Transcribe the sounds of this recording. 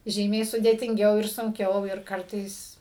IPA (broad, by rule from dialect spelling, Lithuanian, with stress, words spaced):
ˈʒʲiːmʲɛɪ sʊdʲeːtʲɪŋʲˈɡʲɛʊ ɪr sʊŋʲˈkʲɛʊ ɪr ˈkɐrtɐɪs